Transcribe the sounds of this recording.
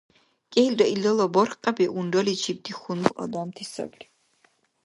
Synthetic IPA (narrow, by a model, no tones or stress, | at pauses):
kʼɛild̪ɔʔilɔlɔbɔɾqʼabiʔundɔlit͡ʃʰib̚d̪iχunbɔ̰d̪ɔmt̪ʰisɔ̰bli